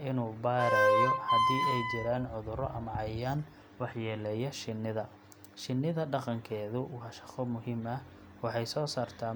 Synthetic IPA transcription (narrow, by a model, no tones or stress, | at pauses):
ɪnuːbaːɾɐjɔhɐd̪iːɛjt͡ʃɪɾaːnʕʊðʊɾɔʔɐmʕɑjaːn | wɑħjɛːlɛjɐʃɪnːɪðɐ | ʃɪnːɪðɐɖɑqɑŋkʰɛːðʊwɑːʃɑ̥qɔmʊɦimɐ | wɑħɑjsɔːsaːrt̪ʰaː